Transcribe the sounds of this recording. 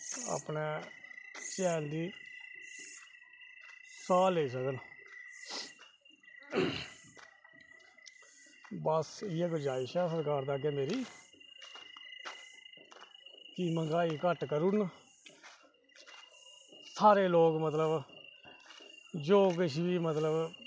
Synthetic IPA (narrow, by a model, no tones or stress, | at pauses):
a̰ːpneː | t͡ʃɛːnd̪iː | saːleːis̬əkən | bəsɪːekəd͡ʒaːiːʃɛːsəɾkaːɾd̪aːɡeːmeːɾiː | kɪməŋɡaːiːkəʈkəɾun | saːɾeːloːkmət̪ləb | d͡ʒoːk̬ɪʃ̬ʋiːmət̪ləb